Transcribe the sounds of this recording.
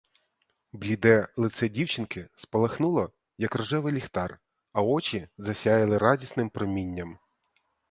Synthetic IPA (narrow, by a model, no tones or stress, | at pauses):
blʲid̪ɛlˠɪt̪sɛdʲiwt͡ʃɪnkɪspɔlˠɐxnulˠɔ | jɐkrɔʒɛʋɪlʲixt̪ɑr | ɐɔt͡ʃʲizɐsʲajɪlˠɪɾɑdʲisnɪmpɾɔmʲinʲːɐm